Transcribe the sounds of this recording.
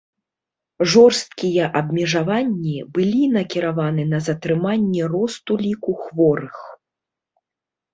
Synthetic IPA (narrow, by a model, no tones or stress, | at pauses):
ʐɔrst̪̚kʲijɐʔɐbmʲɛʐavanʲːibɨlʲinɐkʲiɾavanɨnɐzɐt̪ɾɨmanʲːɛrɔst̪ulʲikuxvɔɾɨx